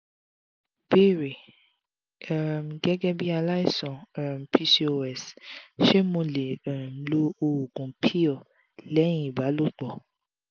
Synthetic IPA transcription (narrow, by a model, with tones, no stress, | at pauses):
be˦˨ɾe˨ | ɛ˨m˨ɡɛ˦ɡɛ˦bi˦a˧la˦i˦˨sɔ̃˨a˨m̩˨pʰi˧si˦˧o˧˦ɛ˨sʃe˦mõ˧le˨m̩˨lo˦o˨ɡũ˨pʰi˦ɔ˦˨ | lɛ̃˨˦ĩ˦i˨ba˨˦lo˦˨k͡pɔ˨